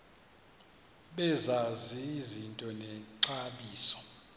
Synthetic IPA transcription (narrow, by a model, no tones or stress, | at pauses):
ɓɛzaziːzintʼɔnɛǀaɓiːsɔ̥